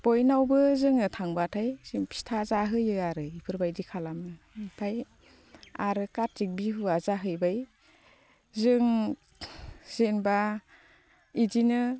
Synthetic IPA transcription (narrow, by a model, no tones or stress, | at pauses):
b̥ojnawbɯzɯŋɯtʰaŋbatʰajz̥ɯŋpʰi̥stʰazaɦɯjɯaɾɯipʰɯɾbajdikʰalamnɯ | ipʰaj | aɾɯkaɾik̚biɦuazaɦɯjbaj | zɯŋ | z̥enba | idinɯ